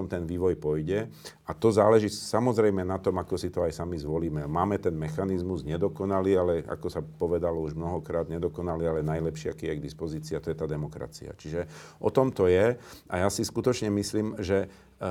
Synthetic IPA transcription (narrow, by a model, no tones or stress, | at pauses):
ɔmt̪ɛnʋiːʋɔjpɔjɟɛ | at̪ɔzaːlɛʒisamɔzɾɛjmɛnat̪ɔmakɔsit̪ɔajsamizʋɔliːmɛmaːmɛt̪ɛnmɛxanizmuzɲɛd̪ɔkɔnaliːalɛa̰kɔsapɔʋɛd̪alɔuʒmnɔɦɔkɾaːd̪ɲɛd̪ɔkɔnaliːalɛnajlɛpʃɪa̰kijɛɡ̚d̪ispɔziːt͡siːat̪ɔjɛt̪aːd̪ɛmɔkɾa̰t͡sḭa̰t͡ʃiʒɛʔɔt̪ɔmt̪ɔjɛajasiskut̪ɔt͡ʃɲɛmisliːmʒɛ